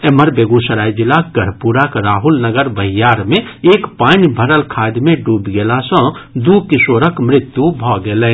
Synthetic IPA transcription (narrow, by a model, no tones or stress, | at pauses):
eːməɾbeːɡusəɾaːid͡ʒɪlaɡəɽ̤puːɾakɾaːɦʊlnəɡəɾbəɦɪjaːɾmẽeːkpaːnibʱəɾəlkʰaːd̪mẽɖuːbɡelasə̃d̪ukɪsoːɾəkmɾɪt̪jubʱɔːɡele